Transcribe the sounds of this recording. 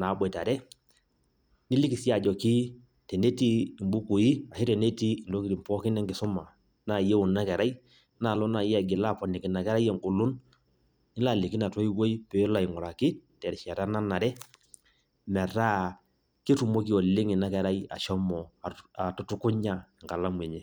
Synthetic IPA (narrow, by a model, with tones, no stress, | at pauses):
na˨˦bwɛ˨ta˨ɾɛ˦ | nɪ˦li˦kɪ˨si˦a˨d͡ʒɔ˨ki˦ | tɛ˨ne˦tiː˦˨mbu˦ku˨i˦a˨ʃi˦tɛ˨ne˦tiː˦˨ndɔ˦ki˦ɾi˨m˨pɔ˦kɪ˦nɛ˦ŋɡɪ˨sʊ˦ma˨ | na˦˨jɛ˦ʊ˨na˦kɛ˨ɾa˦i˦ | na˨lɔ˦na˨jɛ˦a˨ɡɪ˨la˦˨pɔ˨nɪ˨kɪ˨na˨kɛ˦ɾa˦jɛ˨ŋɡu˨lʊ˦n | nɪ˦la˨lɪ˨kɪ˦na˨twɔ˦i˦wo˦i˦pɛ˨˦la˨ɪ˨ŋʊ˨ɾa˨kɪ˦tɛ˨ɾʃɛ˨ta˦na˦na˨ɾɛ˦ | mɛ˨ɾa˦ | kɪ˦tu˨mɔ˦ki˦ɔ˨lɪ˦ŋɪ˨na˦kɛ˨ɾa˦i˦a̰˨ʃɔ˦mɔ˨a˨tu˦tʊ˦kʊ˦ɲa˨ŋɡa˨la˦mwɛ˨ɲɛ˦